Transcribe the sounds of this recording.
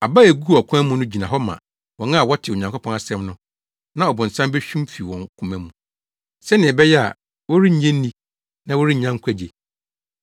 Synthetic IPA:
a˨ba˦e˨ɡu˦˨ɔ˨kʰʊ̃˦mũ˦nʊ̃˦d͡ʑi˨nã˨ɦɔ˦mã̰˨ | wɔ̃˨nã˦a˨wɔ˦tʰɪ˨o˨ɲã˨ŋkʰɔ˦pʰɔ̃˦na˨sɛ̃˦mnʊ̃˦ | nã˦ɔ˨bʊ̃˨n̩˨sã˦mbɛ˦ɕᶣũ˦m˦fi˨wɔ̃˨ŋkʰũ˨mɛ̃˦mũ˨ | sɛ˦nɪ̃˨ɛ˨bɛ˦jɛ˦a̰˨ | wɔ˦ɾi˦ɲ̩˦ɲɛ̃˦nː˦ĩ˦ | nã˦wɔ˦ɾi˦˨ɲã˦ŋ˦kʷʰæ˦d͡ʑe˨

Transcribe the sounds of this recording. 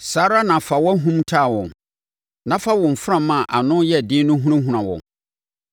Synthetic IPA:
saː˦ɾa˦nã˨fa˨wɔ˦ɦũ˦mtʰaː˦˨wɔ̃˨n | nã˦fa˦wɔ̃˨m̩˨fʊ˦ã˦˨mã˨ʔa˨nʊ̃˦jɛ˦˨dɪ̃˦nʊ̃˦ɦũ˦ɾã˦ɦũ˨ɾã˨wɔ̰̃˨

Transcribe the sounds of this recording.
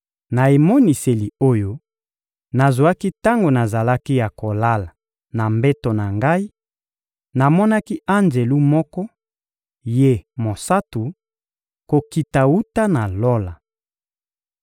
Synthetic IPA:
na˨e˨mo˦ni˨se˨li˨o˦jo˦ | na˨zwa˦ki˦ta˦ŋɡo˨na˨za˨la˦ki˦ja˨ko˨la˦la˨ | na˨mbe˦to˨na˨ŋɡa˦i˦ | na˨mɔ˦na˦ki˦ʔa˦nd͡ʒe˨lu˦mɔ˦kɔ˦ | je˦˨mo˨sa˦tu˨ | ko˨ki˨ta˨wu˦ta˦na˨lo˦la˨

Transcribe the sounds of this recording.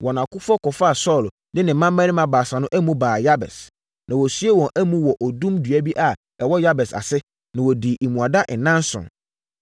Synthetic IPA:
wɔ˨n˨ã˨kʊ˦fɔ˦kɔ˨fa˦a˨sɔ˦˨l | dɪ̃˦nɪ̃˨mã˦mː˦æ̃˦nɪ̃˦mã˨baː˨sa˨nʊ̃˦ʔæ˦mũ˦baː˨ja˦bɛ̰˨s | nʔã˨wɔ˨sɥe˦wɔ̃˨nʔæ˦mũ˦wɔ˨ʔɔ˨dũ˦mdɥæ˦bi˦ʔa˨ | ɛ˨wɔ˦ja˦bɛ˨sa̰˨sɪ˦ | nã˨wɔ˨di˨ʔi˨mũ˨a˨da˦ʔɪ̃˨nã˦n˦sʊ̰̃˨n

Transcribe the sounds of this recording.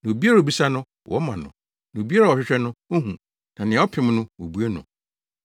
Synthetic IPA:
nã˨o˨bi˦a˦ɾo˨bi˦sa˦nʊ̃˦ | wʔɔ̰˦mã˨nʊ̰̃˨ | nã˨o˨bi˦a˦ɾa˨ɔ˨ɕᶣɪ˦ɕᶣɛ˦nʊ̃˦o˦hũ˨ | nã˨nɪ̃˨ɛ̃˨˦ɔ˦pʰɪ̃˨˦m˦nʊ̃˦wo˨bu˦e˦nʊ̰̃˨

